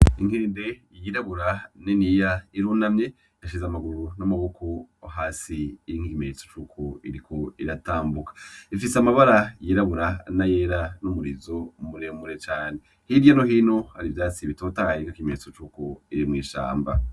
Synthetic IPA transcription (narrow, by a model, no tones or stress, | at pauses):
iŋheːnde̞jjiɾaβuɾaninijaiɾunamɲe̞ | jaʃizamaɡuɾunamaβokʰoaɦaːsiːiŋiimeɲet͡so̥t͡ʃukʰoiɾikoiɾataːmbukḁifisamaβaɾajiɾaβuɾanaje̞ɾanumuɾizomuɾe̞muɾe̞t͡ʃaːne̞ | hiɾjanoɦiːno̞haɾivjaːt͡siβito̞ːtajekakimeɲt͡so̞t͡ʃukoiɾimŋiːʃa̰ːmba̰